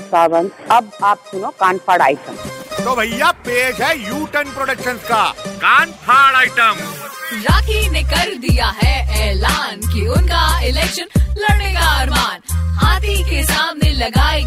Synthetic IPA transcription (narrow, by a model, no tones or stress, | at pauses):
saːʋənɐb̚aːpsʊnokaːnpʰaːɽa̰ːɪʈəmt̪oːbʱɐjjːapeːd͡ʒɦɛjuːʈənpɾoɽəkʃənskakaːnpʰaːɽaːɪʈəmɾaːkinekɐɾd̪ijaɦɛɛːlaːnkiʊnkaɪlɛːkʃənlɐɾɽeːkaɦɐɾmaːnɦaːt̪ikesaːmnelɐɡaːi